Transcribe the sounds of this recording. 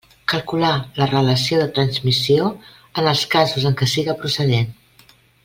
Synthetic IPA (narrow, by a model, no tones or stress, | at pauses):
kəlˠkulalərələsioðət̪ɾənzmisio | ənəlˠskazuzəŋkəsiɣəpɾusəðen